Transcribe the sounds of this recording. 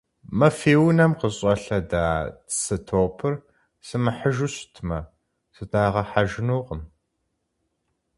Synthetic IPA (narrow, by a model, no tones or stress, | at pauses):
mɐfeːwnɐmqəɕʼɐɬɐdaːsɨtʰoːpʰɨr | sɨmɨħəʒuɕtʰmɐ | sɨtʰaːʁɐħaʒɪnuːqəm